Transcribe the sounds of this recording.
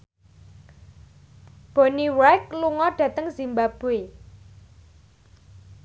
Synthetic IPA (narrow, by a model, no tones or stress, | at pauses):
b̥o̤niwajk̚luŋɔɖ̥ä̤t̪əŋz̥imbab̥ue